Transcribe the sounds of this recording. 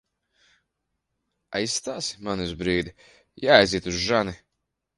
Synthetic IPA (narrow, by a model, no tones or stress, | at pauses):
ajsːt̪aːsi̥manuzbɾiːd̪i | jaːajziɛt̪uzʒani